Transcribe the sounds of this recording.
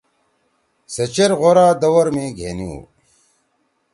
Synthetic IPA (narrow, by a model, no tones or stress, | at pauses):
sɐt͡ɕeɾʁoɾaːd̪ɐwɐɾmẽːɡʱḛːniṵː